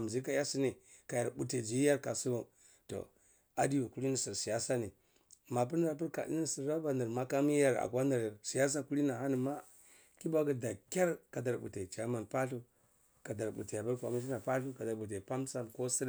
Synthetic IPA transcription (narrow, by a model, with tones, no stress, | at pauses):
m˨zi˦ka˦ja˦si˦ni˨ka˨ja˨ɾbu˨te˨d͡ʒi˨˦i˦ja˦ɾka˨su˦bo˨ | to̰˨ | a˨di˦ju˨ku˦li˦ni˨si˨ɾsi˨ja˦sa˦ni˨ | ma˨p̬u˦ɾa˦ɾpi˦ɾka̰˨dḭ˦ni˨si˨ɾːa˦ba˨nə˨ɾma˦ka˦mi˦ja˦ɾa̰˨kwa˦nə˨ɾa˨ɾsi˨ja˦s̬a˦ku˦li˦na˨ɦa˦ni˨ma˦ | ki˦ba˦ɡa˨da˨kʲa˦ɾka˨da˨ɾbṵ˨te˨t͡ʃa˨˦ma˨npa˦ɬu˦ | ka˨da˨ɾbṵ˨te˨a˨bu˦ɾkʷa̰˨mi˦t̬i˦na˨pa˦ɬu˦ka˨da˨ɾbu˨t̬e˨pa˦msa˦nko˦si˦ɾ